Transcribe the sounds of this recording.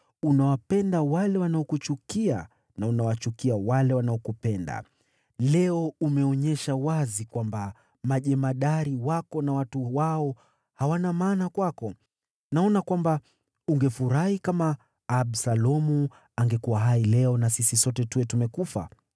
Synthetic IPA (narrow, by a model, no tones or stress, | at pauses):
unawapɛndawalɛwanaɔkut͡ʃukia̰ | naunawat͡ʃukiawalɛwanaɔkupɛnda̰ | lɛɔumɛɔɲɛʃawazikwamba | maʄɛmaɗaɾiwakɔnawatuwaɔ | hawanamaːnakwakɔ | naɔnakwamba | uŋɡɛfuɾahikamaː | bsalɔmu | aŋɡɛkuwaɦailɛɔnasisisɔtɛtuɛtumɛkufa̰